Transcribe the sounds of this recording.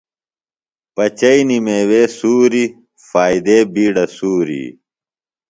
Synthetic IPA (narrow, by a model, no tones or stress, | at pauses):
pɐt͡ɕɐinimeːweːsuːɾi | faːid̪eːbiːɖɐsuːɾḭː